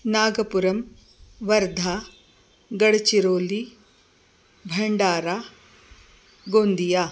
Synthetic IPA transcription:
naːɡɐpuɾɐm | ʋɐɾd̪ʱaː | ɡɐɽt͡ʃiɾoːli | bʱɐɳɖaːɾaː | ɡoːnd̪ijaː

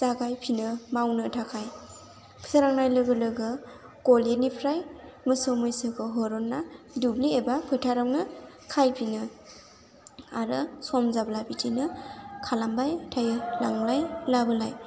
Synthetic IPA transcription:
z̥aɡajpʰinɯmawnɯtʰakʰaj | kʰsʰaɾaŋnajlɯɡɯlɯɡɯ | kɔlenipʰɾajmɯsɯwmɯjsɯkʰɯɦɔɾɔnːa | dubliebapʰɯtʰaɾawnɯ | kʰajpʰinɯ | aɾɯswamzablabitʰinɯkʰalambajtʰajɯlaŋlajlabɯlaj

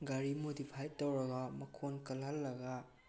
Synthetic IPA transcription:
ɡaɾimodipʰajtːowɾɐɡɐmɐkʰonkɐlɐlːɐɡa

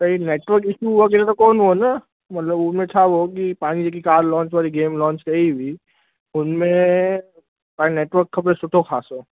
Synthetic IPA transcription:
sɐɦineːʈʋəɾkɪʃuʋak̬ɛːɾat̪okɔːnɦona | mɐt̪ləbʊsmẽt͡ʃʰaʋok̬ipaːnid͡ʒak̬ikaːɾlɔ̃ːnt͡ʃʋaːliɡeːmlɔ̃ːnt͡ʃkɐibʱi | ʊnmẽ | paːineːʈʋəɾkʰːɐpɾesʊʈʰokʰaːsoː

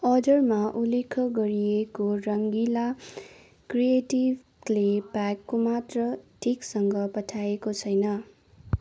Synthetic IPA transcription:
ʌdʌrmaʔulekʰʌɡʌɾiekorʌŋɡila | krijeʈib | lepakːomat̪rʌʈʰiksʌŋɡʌpʌʈʰaekot͡sʰʌjnʌ

